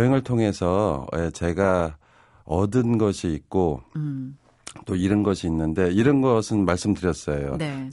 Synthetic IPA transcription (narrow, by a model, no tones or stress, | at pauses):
ɦeŋɯɭtʰoŋɦe̞sʰʌet͡ɕe̞ɡa | ʌdɯnɡʌɕʰiːt̚k͈o | t͈oiɾʌnɡʌɕʰiːnːɯnde̞iɾʌnɡʌsʰɯnmaɭs͈ɯmdɯɾjʌs͈ʌjo̰ne